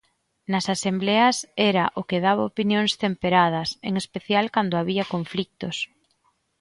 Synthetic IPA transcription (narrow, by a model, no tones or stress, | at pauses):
nɐsasembleɐsɛɾɐʔokeð̞aβ̞aopinjoŋst̪empeɾað̞ɐsḛŋespeθjalkand̪oaβiɐkoɱflik̚t̪ʊs